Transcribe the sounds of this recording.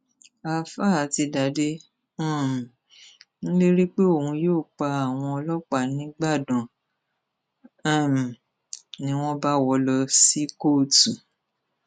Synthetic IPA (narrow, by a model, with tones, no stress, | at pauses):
a˨fa˦˨a˨˦ti˧da˨˦dẽ˦˨ | ñ̩˦le˦ɾi˦k͡pe˦o˨hũ˧joː˦˨k͡pa˧a˨w̃ɔ̃˧ɔ˧lɔ˦k͡pa˦˨nĩ˨˦ɡ͡ba˦˨dɔ̃˨˦˨ | nĩ˦w̃ɔ̃˦ba˦wɔ˧lɔ˧si˦koː˦˨tu˨